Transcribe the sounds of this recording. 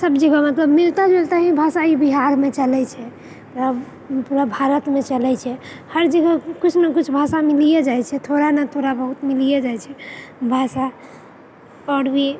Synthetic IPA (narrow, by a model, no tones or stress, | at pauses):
səbd͡ʒeɡamət̪ləbmilt̪ad͡ʒelt̪aɦibʱasaibiɦaɾmet͡ʃəlɛt͡ʃʰɛ | a | puɾabʱaɾət̪met͡ʃəlɛt͡ʃʰɛ | həɾd͡ʒəɡakut͡ʃʰnakut͡ʃʰbʱasamilijed͡ʒajt͡ʃʰɛt̪ʰoɾanat̪ʰoɾabəɦut̪milijed͡ʒajt͡ʃʰɛbʱasa | pɔɽbi